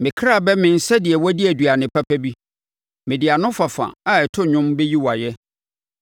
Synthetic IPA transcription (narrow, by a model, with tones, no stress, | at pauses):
mɪ̃˨kʰɾa˦˨bɛ˦mɪ̃˨n̩˨sɛ˦dɪ˨ɛ˨wɔ˦di˦æ˨dɥa˨nɪ̃˨pʰa˦pʰæ˦bi˦ | mɪ̃˨dɪ˨a˨nʊ̃˦fa˨fã̰˨a˨ɛ˨tʰʊ˦ɲʊ̃˦mbɛ˦ji˦wa˨jɛ˦